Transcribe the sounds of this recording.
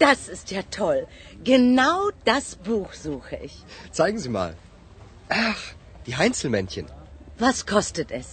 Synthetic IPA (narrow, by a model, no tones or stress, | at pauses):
d̥asɪstjaːtʰɔl | ɡ̥ənaʊd̥asb̥uːxz̥uːxəʔɪçt͡saɪɡŋ̩ziːma̰ːl | ʔax | d̥iːɦaɪnt͡sl̩mɛnçənvaskʰɔstətɛs